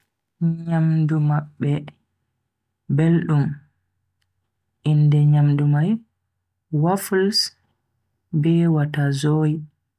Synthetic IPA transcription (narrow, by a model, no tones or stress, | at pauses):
ɲamdumaɓːɛ | belɗum | ʔindɛɲamdumaj | wafls | bɛwatazoːji